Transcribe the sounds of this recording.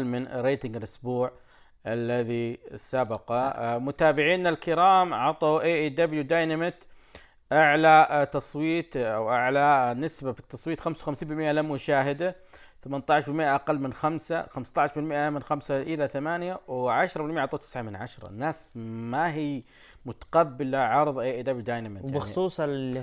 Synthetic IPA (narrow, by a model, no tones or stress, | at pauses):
lmɪn̰rːeːt̪ɪŋɡɪlʔʊsbuːʕ | ʔalːaðisabɑqɑmʊt̪aːbɪʕiːnalkɪɾaːmʕɑt̪ˤɑʔeːʔeːd̪abljud̪ajnamɪt̪ | ʔaʕlat̪ɑsˤwiːt̪awʔaʕlanɪsbabit̪ːɑsˤwiːt̪xamsawxamsiːmbɪlmɪʔalammʊʃaːɦɪd̪a | θamant̪ˤɑʕɪʃbɪlmɪʔaʔaqalːmɪnxamsaxamst̪ˤɑʕɪʃbɪlmɪʔamɪnxamsaʔɪlaθamaːnjawʕaʃɾˤɑbɪlmɪʔʕɑt̪ˤɑt̪ɪ̥sʕamɪnʕa̰ʃɾˤɑ̰nːaːsmaɦiː | mʊt̪ḁqɑbːɪlaʕɑɾˤðˤʔeːʔed̪abljud̪ajnamɪt̪bɪxsˤuːsˤ